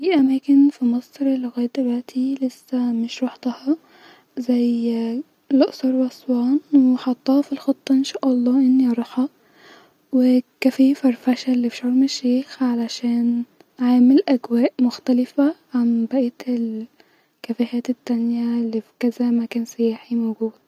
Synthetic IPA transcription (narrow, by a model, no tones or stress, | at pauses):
fiːʔæmæːkenfimɑsˤɾlːeɣæːjd̪̚d̪elwæʔt̪ʰilesːæmeʃɾɑħd̪ɑhɑ | zæj | leʔsˤɑɾˤwæsˤwɑːnweħɑt̪ˤːɑːhɑfilxɑt̪ˤːɑʔenʃæːʔɑlˤːɑːʔenːiʔɑɾˤɑːħɑ | wekæfiːfæɾˤfæʃælːifiʃʕuːɾmeʃːeːxʕalæʃæːn | ʕaːmelʔæɡwæːʔmoxt̪ælɪfæʕambæʔæt̪el | kæfæhæːt̪et̪ːænjælːifkæzæmækæːnsæjæːħimowɡuːd̪